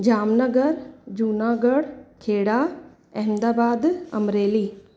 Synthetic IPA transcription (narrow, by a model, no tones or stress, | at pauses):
d͡ʒaːmnəɡəɾd͡ʒuːnaːɡəɽkʰeːɽaː | ɛmd̪aːbaːd̪ɐmɾeːliː